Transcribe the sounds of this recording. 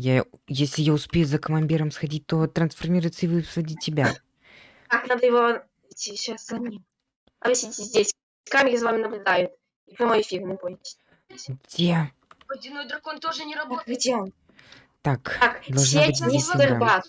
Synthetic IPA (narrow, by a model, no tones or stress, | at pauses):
jajesʲlʲɪjaʊspʲejʊzəkəmɐnʲdʲiɾəmsxɐdʲit̚ʲt̪ot̪ɾənsfɐrmʲiɾʊjt̪səɪvɨsvɐdʲitʲːɪbʲa | kaknad̪əjɪvo | ɪt̪ʲiɕasɐnʲi | ɐvɨsʲitʲɪzʲdʲesʲ | sʲkamʲɪkʲzvamʲɪnəblʲʊd̪ajʊt̪ | ipɾʲɐmojfʲirnɪboɪɪt͡ɕ̪ʲ | ɡdʲe | d̪ʲɪnojd̪ɾʊkont̪oʐɨnʲɪɾʊboɡdʲeon | t̪ak̪akd̪ɐlˠsʐnʲenʲɪɐɾbat̪